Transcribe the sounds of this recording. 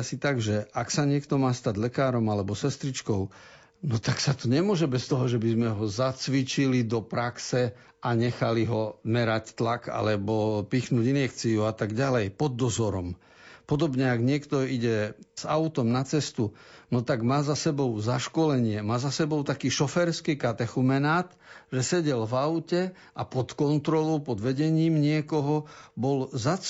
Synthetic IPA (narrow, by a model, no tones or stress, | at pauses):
asit̪aɡʒɛʔaksaɲɪɛkt̪ɔmaːst̪aɟlɛkaːɾɔmalɛbɔsɛst̪ɾit͡ʃkɔʊ | nɔt̪aksat̪ɔɲɛmʊɔʒɛbɛst̪ɔɦɔʒɛbizmɛɦɔzat͡sʋit͡ʃilid̪ɔpɾaksɛ | aɲɛxaliɦɔmɛɾact̪laka̰lɛbɔpiːxnuːɟinjɛkt͡sijuat̪aɡɟalɛjpɔd̪ːɔzɔɾɔm | pɔd̪ɔbɲɛaɡɲɪɛkt̪ɔiɟɛz̥aʊt̪ɔmnat͡sɛst̪unɔt̪aɡmaːzasɛbɔʊzaʃkɔlɛɲɪɛmaːzasɛbɔʊt̪akiːʃɔfɛɾskiːkat̪ɛxumɛnaːt̪ | ʒɛsɛɟɛlvaʊcɛ | apɔt̪kɔnt̪ɾɔlɔʊpɔd̪ʋɛɟɛɲiːmɲɪɛkɔɦɔbɔlzat͡s